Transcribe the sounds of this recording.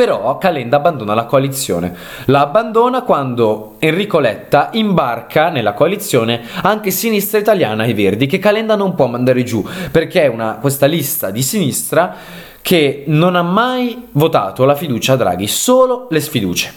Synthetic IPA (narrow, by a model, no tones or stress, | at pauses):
peɾɔkːalɛnd̪aːbːand̪oːnalakoalit̪sːjo̰ːnḛ | laːbːand̪oːnakwand̪o | enrikolɛt̪ːaʔimbarkʰanelːakoalit̪sːjoːneaŋkesinist̪ɾait̪aljaːnaejverd̪ikekːalɛnd̪anompwɔmːand̪aːɾed͡ʒuperk̟eɛunakwest̪alist̪ad̪isinist̪ɾa | kʰenonamːajvot̪a̰ːt̪olafid̪uːt͡ʃaːd̪ːɾa̰ːɡisoːlolesfid̪ṵːt͡ʃe̥